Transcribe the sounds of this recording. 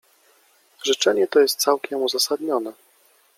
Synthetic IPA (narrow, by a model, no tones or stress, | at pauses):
ʐɘt͡ʂɛɲɛt̪ɔjɛst̪̚t̪sawkʲɛmuzasad̪ɲɔnɛ